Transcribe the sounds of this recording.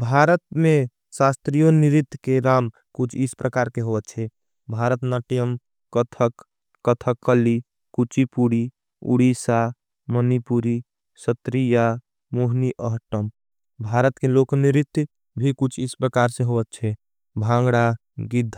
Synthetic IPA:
bʱaɾət̪̚me | sast̪ɾijoniɾit̪ːkeɾam | kut͡ʃʰispɾʔəkaɾkeɦoət̪̚t͡ʃʰɛ | bʱaɾət̪nəʈijəm | kət̪ʰək | kət̪ʰəkʰːəli | kut͡ʃipuɽi | ṵɽisa | mənipuɾi | sət̪ɾija | moɦniʔəɦʈəm | bʱaɾət̪kelokniɾit̪ː | bʱikut͡ʃʰispɾəkaɾsẽɦoət̪̚t͡ʃʰɛ | bʱãŋɡɽa | ɡid̪ʱː

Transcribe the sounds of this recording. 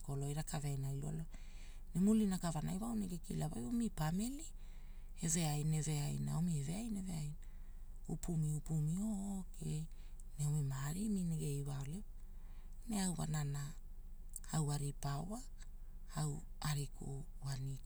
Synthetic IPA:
ko̞lo̞jɾakʰaveajnajlua̰lo | nemulinakavanajwaoneɡe̞kilavajomipame̞li | eve̞ajne̞ve̞ajnaomieve̞ajne̞ve̞ajna | upumiupumioke | neomimaɾimineɡe̞jwaole | ne̞awa̰nana | awaɾipaoa | aw | aɾikʰo | wani

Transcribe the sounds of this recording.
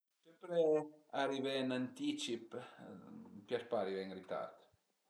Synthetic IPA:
sempɾeaɾivɛnant̪it͡ʃip | pjaspaɾivɛŋɾit̪a̰ɾt̪

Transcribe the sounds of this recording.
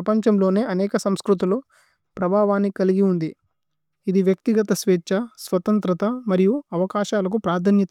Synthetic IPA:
ɐpɐɲt͡ʃɐmlo̞ːne̞ːʔɐnɛːkɐsɐmskɾut̪̬iloː | pɾɐbʱaːʋaːnːikɐliɡiund̪i | id̪iʋjɐk̚t̪iɡɐt̪ɐsʋeːt͡ʃɐsʋɐt̪ɐnt̪ɾɐt̪ɐmɐɾijuɐʋɐkaːʃaːlɐk̬upɾaːd̪ʱɐnjɐt̪

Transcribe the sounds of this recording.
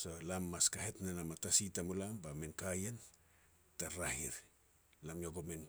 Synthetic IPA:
solamːaskaɦetnanamatasitamulambamenkajen | taɾahḭɾ | lamjoɡomen

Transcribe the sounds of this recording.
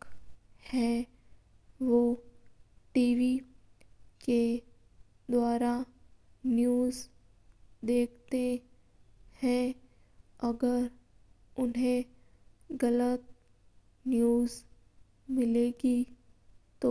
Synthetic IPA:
khɛ̃ | ʋo | ʈiːʋi | ke | d̪waːɾa | njuːz | d̪eːk̚ʰt̪e | hɛ̃ | ɐɡəɾ | ʊnɦẽ | ɡɐlət̪̚ | njuːz | mɪleːɡi | t̪o

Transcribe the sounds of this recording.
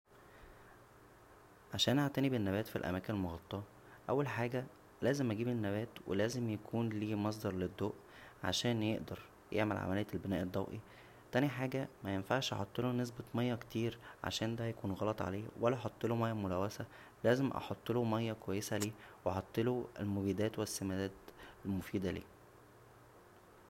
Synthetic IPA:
ʕaʃæːnʔaʕt̪ænibenːæbæːt̪filʔæ̰mæːkenelmoɣɑt̪ˤːɑː | ʔæwːælħaːɡæ | læːzemʔæɡiːbenːæbæːt̪wʔḛlæːzemjækʰuːnliːmɑs̬ˤd̪ɑɾˤled̪ːoːʔ | ʕa̰ʃæːnjeʔd̪ɑɾˤ | jʔeʕmelʕa̰mælejːælbenæːʔed̪ˤːɑwʔi | t̪æniħaːɡæmæjenfaʕʃʔɑ̰ħot̪ˤːelunes̬bemɑjːɑkt̪iːɾʕa̰ʃæːnd̪æjækuːnɣɑlɑt̪ˤʕa̰leːwælːæʔħot̪ˤːelomɑjːæmolæwːæsæ | læːzemʔɑ̰ħot̪ˤːelomɑjːɑkowæjːesæliːweʔɑħɑt̪ˤːeloḛlmoɡiːd̪æːt̪wesːæmæd̪æːt̪elmofiːd̪ælḭː

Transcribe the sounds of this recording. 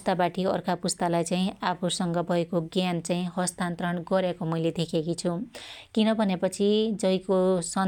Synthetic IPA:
st̪abaʈʰiʌ̰rkʰapust̪alajt͡saĩapʰusʌŋɡʌbʱʌekoɡjant͡saĩɦʌst̪ant̪ɾʌɳɡʌɾekomʌjled̪ekʰekit͡sʰukinʌbʱʌnepʌt͡sʰid͡zʌjkosʌ

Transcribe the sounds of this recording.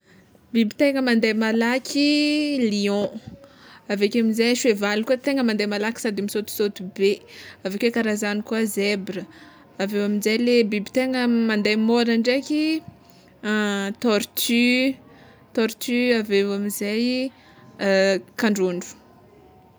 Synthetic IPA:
bibit̪eŋəmand̪ajmalakʲʰiliɔ̃ | avekʲaminzajʃwevalikuət̪eŋəmãnd̪ajmalakʲi̥sad̪imisot̪u̥sot̪ubeavekekaɾazanikuəzebɾə | avewamizajlebibi̥t̪eŋəmãnd̪ajmoɾaɳɖ͡ʐekʲi | t̪ɔɾt̪y | t̪ɔɾt̪yavewamizaj | kaɳɖ͡ʐoɳɖ͡ʐu̥

